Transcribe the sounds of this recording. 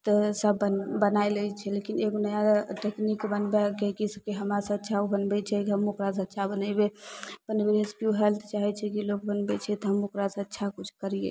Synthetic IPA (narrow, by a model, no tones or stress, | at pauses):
t̪əsəbəbənajləjt͡ʃʰɛlekineɡonəjãʈeknikbənbɛkekiskeɦəmɾasə̃ətːʃʰaobənbɛt͡ʃʰɛkɦəmokɾasə̃ətːʃʰabənəɪbepənbeɾeskjuɦelt̪ʰt͡ʃaɦɛt͡ʃʰɛkilok̚bənbɛt͡ʃʰɛt̪ɔɦəmokɾasə̃ətːʃʰakut͡ʃʰkəɾijḛ